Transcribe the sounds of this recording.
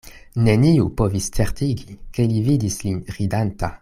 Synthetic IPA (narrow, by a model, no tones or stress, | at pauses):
neniupovist͡seʁt̪iɡikelivid̪islinʁid̪ant̪a